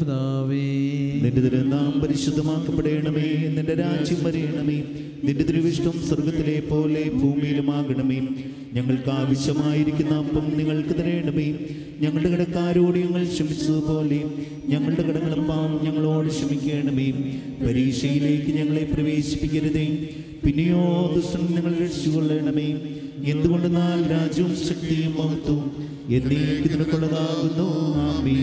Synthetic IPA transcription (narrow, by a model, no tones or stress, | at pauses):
daːʋeninɖud̪ɐɾend̪aːmpɐɾiɕud̪ʱːɐmaːkːɐpːeɽeːɳɐmeːnːinde̞ɾaːd͡ʑjɐmʋɐɾeːɳɐmem | niɾud̪ɐɾɐʋiʂʈɐmsɐrɡɐt̪ːile̞pːo̞ːle̞bʱuːmijlumaːɣɐɳɐmejm | ɲɐŋːɐɭkɨaːʋɐɕjɐmaːjiɾikʲːunːɐpːɐmniŋːɐɭkɨt̪ɐɾeːɳɖɐmem | ɲɐŋːɐɭɽkɐɽɐkːaːɾoːɽijɐŋːɐɭʂɐmit͡ɕːɐðɨpo̞ːle | ɲɐŋːɐɭɽe̞kɐɽɐŋːɐɭɐpːaːɲɐŋːɐɭo̞ːɽɨɕɐmikʲːe̞ːɳɖɐme | pɐɾiːʂɐjile̞ːkːɨɲɐŋːɐɭe̞prɐʋe̞ːɕi̥pːikʲːɐɾɐðem | pinːijoːd̪uʂʈɐmɲɐŋːɐɭɾɐʈit͡ɕːuɣɐɭːe̞ːɳɐmeː | e̞nd̪uɣo̞ɳɖunaːlɾaːd͡ʑjɐɐmɕɐk̚t̪ijɐmpɐɦut̪ːu | e̞nːiikʲːɨninɐkːoɭːɐðaːɣunːuaːmi